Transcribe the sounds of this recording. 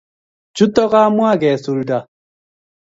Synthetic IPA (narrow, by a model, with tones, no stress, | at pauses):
d͡ʒʊ˦tɔ˦ɣa˦mwa˦˨ɡɛ˨so˨ɾu˨da˨